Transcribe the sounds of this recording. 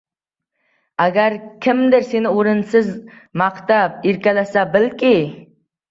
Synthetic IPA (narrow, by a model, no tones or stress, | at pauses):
æɡʲæɾkʲʰɪmd̪ɪɾsenɪoɾɨnsɪzmɑqt̪ap̚iɾkʲɛlæsæbɪlkʲi